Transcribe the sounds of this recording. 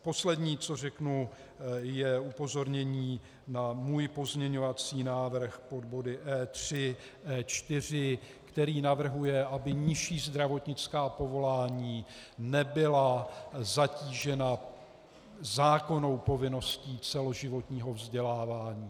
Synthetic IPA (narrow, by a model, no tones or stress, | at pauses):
po̞slɛdɲiːt͡so̞r̝ɛknu | jɛupo̞zo̞ɾɲɛɲiː | namuːjpo̞zmɲɛɲo̞vat͡siːnaːvr̩xpo̞d̪̚bo̞dɪʔɛːt̪r̥ɪ | ʔɛːt͡ʃt̪ɪr̝ɪ | kt̪ɛɾiːnavr̩ɦujɛʔabɪɲɪʃiːzd̪ɾavo̞t̪ɲɪt͡skaːpo̞vo̞laːɲiːnɛbɪlazaciːʒɛna | zaːko̞no̞wpo̞vɪno̞sciːt͡sɛlo̞ʒɪvo̞t̪ɲiːɦo̞vzɟɛlaːvaːɲiː